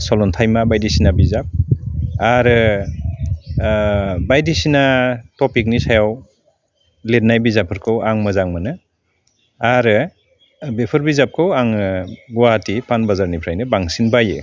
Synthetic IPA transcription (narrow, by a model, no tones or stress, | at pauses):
sɔlɔntʰajmabajdisinabizap̚aɾɯ | bajdisinatɔpik̚nisajaw | let̚najbizapʰɯɾkʰɯwaŋmɯzaŋmanɯ | aɾɯ | bepʰɯɾbizap̚kʰɯwaŋɡuwaatipanbazaɾnipʰɾajnɯbaŋsinbajɯ̰